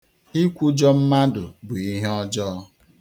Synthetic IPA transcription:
i˦kʷu˦d͡ʒɔ˦m̩˦ma˦dʊ˨bʊ˨i˦ɦe˦ɔ˦d͡ʒɔ˦

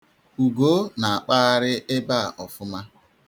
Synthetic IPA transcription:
u˨ɡo˦na˨a˨k͡pa˦a˦ɾɪ˦ʔe˦ba̰˦˨ʔɔ˨fʊ˦ma˦

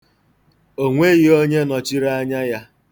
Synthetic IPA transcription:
o˦ŋʷe˦ɣi˦o˦ɲe˦nɔ˨t͡ʃi˦ɾa˦ɲa˦ja˦

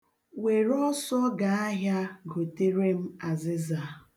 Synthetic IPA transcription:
we˨ɾɔ˦sɔ˦ɡa˨a˦ɦja˦ɡo˨te˦ɾe˦m̩˦a˨zɪ˦za˨

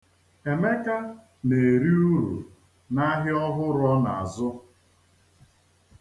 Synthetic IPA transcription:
e˨me˦ka˦ | ne˨e˨ɾi˦u˦ɾṵ˨ | na˦ɦɪ˦ɔ˦ɦʊ˦ɾɔ˦na̰˨a̰˨zʊ˦

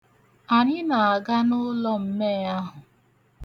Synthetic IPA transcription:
a˨ɲɪ˦na˨a˨ɡa˦nʊ˦lɔ˦m̩˦me˦˨a˦ɦʊ˨

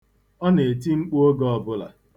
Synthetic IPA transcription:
ɔ˦ne˨e˨ti˦ŋ͡m̩˦k͡pu˦o˦ɡɔ˦ɔ˨bʊ˦la̰˨

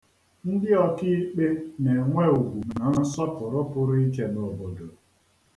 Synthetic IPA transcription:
n̩˦dɪ˦ɔ˦ki˦k͡pe˦ne˨ŋʷe˦u˨ɡʷu˨na˨n̩˦sɔ˦pʊ˨ɾʊ˦pʊ˦ɾʊ˦i˦ke˦no˨bo˨do˨

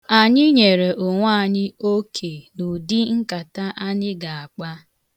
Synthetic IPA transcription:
a˨ɲɪ˦ɲe˨ɾe˨ʔʊ˨ŋʷa˦˨ɲɪ˦o˦kʰe˨nu˨di˦ŋ̩˦ka˨ta˦ʔa˦ɲɪ˦ɡa˨a˨k͡pa˦

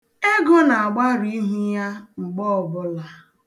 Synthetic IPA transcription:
e˦ɡo˦na˨a˨ɡ͡ba˦ɾi˦ɦu˦ja˦ŋ͡m̩˨ɡ͡bɔ˦ɔ˨bʊ˦la˨

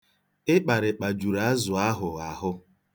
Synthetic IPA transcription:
ɪ˦k͡pa˨ɾɪ˨k͡pa˨d͡ʒu˨ɾa˨˦a˦zʊ˨a˦ɦʊ˨a˨ɦʊ˦

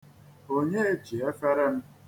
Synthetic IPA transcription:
o˦ɲe˦e˦d͡ʒi˨e˦fe˦ɾe˦m̩˦

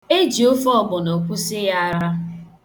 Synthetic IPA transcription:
e˦d͡ʒi˨o˦fɔ˦˨ɡ͡bʊ˨no˨kʷu˦sɪ˦ja˦ɾa˦

